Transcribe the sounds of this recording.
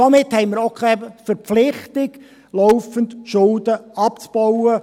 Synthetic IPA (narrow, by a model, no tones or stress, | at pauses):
ɔmɪthɛɪmɪɾokʰɛfəɾpflɪχtɪɡ | lɔwfəntʃʊldəɑpt͡sb̥ɔʊə